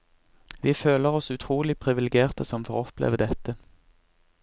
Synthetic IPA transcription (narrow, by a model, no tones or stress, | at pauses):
ʋiːføːləʁɔsʉt̪ʰʁuːlɪpʰʁɪʋɪlɛɡeːʁt̪ʰəsɔmfɔʁɔpʰlḛːʋəd̪ɛt̪ə